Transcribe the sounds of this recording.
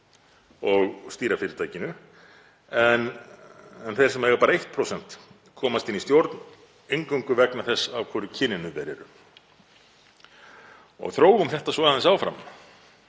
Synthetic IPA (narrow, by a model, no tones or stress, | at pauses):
ɔɣst̪iːɾafɪɾɪt̪ʰaːjcɪnʏ | ɛn | ɛnθejɾsɛmaɛɣapaːɾaejht̪̚pʰɾowsɛn̥t̪ | kʰɔːmast̪inːist̪jowɾt̪n | eŋkawŋkʏvɛknaθɛsːavkʰvuɾʏcʰɪnɪnʏvɛɾɛ̰ɾʏ̰ | ɔ̰ɣθɾoːwɣʏmθɛht̪asvɔaðɛnsaːwfɾa̰m